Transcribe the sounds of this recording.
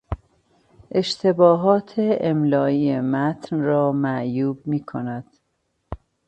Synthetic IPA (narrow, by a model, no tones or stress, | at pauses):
ʔe̞ʃt̪ʰebɒːɦɒːt̪ʰeemlɒːiːemæt̪ʰnrɒːmæʔjuːb̚miːkʰonæd̪̥